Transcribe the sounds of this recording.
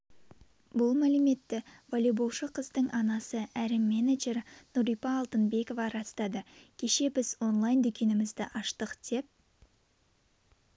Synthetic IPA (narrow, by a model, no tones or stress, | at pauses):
bʊlˠmælɪme̞t̪ːɪv̥olʲibowʃəqʰəzd̪əɴʔɑnɑsəæɾɪmːenaʒe̞ɾnuɾijpɑːlˠt̪ənbe̞ko̞vɑɾɑst̪ɑd̪əkʲʰe̞ʃe̞bɪzwo̞nlˠɑjnd̪ʏkʲe̞nɪmɪzd̪ɪʔɑʃt̪əqd̪̥e̞p̚